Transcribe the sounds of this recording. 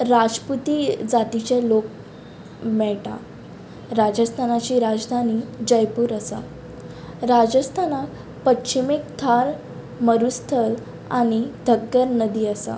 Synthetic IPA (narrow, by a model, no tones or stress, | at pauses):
ɾad͡zput̪iːd͡zat̪it͡ɕalok̚ | mɛɭʈa̰ | ɾad͡ʑəst̪ʰanat͡ɕiːɾad͡zd̪ʱanid͡ʑəjpuːɾəsa̰ | ɾad͡ʑəst̪ʰana | pətɕimek̚t̪ʰaɾ | məɾust̪ʰəɾ | a̰ɽ̃id̪ʱəɡːəɾnəd̪iːəsa̰